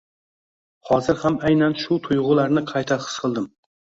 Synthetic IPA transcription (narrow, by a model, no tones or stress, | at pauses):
hɒzɪɾhamajnanʃʊt̪ʰʊjʁʊlaɾnɪqʰɑjt̪ʰaqʰɨ̥sqʰɨlˠd̪ɪm